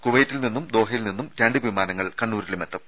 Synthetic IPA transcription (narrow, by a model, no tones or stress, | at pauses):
kuʋɐjtːilninːumd̪o̞ːɦɐjilninːumɾeɳɖɨʋimaːnɐŋːɐɭkɐɳːuːɾilumet̪ːɐm